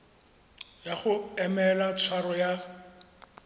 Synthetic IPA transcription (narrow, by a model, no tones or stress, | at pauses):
jaχʊɛmɛlat͡sʰwaɾɔja